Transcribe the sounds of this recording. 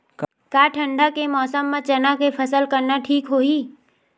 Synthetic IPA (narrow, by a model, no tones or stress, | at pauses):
k | kaːʈʰə̃ɳɖʱakemɔːsəmːẽt͡ʃɐnakepʰəsəlkəɾnaʈʰiːkɦoːiː